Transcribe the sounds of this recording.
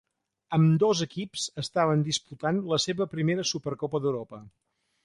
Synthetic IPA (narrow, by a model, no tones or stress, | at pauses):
əmd̪ozəkipsəst̪aβənd̪isput̪anləseβəpɾimeɾəsupəɾkɔpəðəwɾɔpə